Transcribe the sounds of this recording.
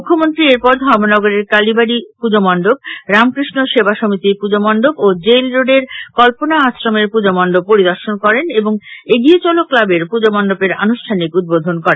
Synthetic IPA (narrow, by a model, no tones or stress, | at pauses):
mukʰːomont̪ɾieɾpɔɾd̪ʱɔmonɔɡoɾeɾkalibaɽipud͡ʑomɔɳɖob̚ɾamkɾiʃnoʃebaʃomit̪iɾpud͡ʑomɔɳɖobod͡ʑelɾoɖeɾkɔlponaasɾomeɾpud͡ʑomɔɳɖob̚poɾid̪ɔɾʃonkɔɾeneboŋeɡiet͡ɕɔlokːlabeɾpud͡ʑomɔɳɖopeɾa̰noʃʈʰanikud̪̚bod̪ʱonkɔɾen